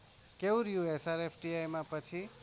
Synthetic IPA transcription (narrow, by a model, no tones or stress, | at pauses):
kewɾjuesaɾepʰʈiajmapət͡sʰi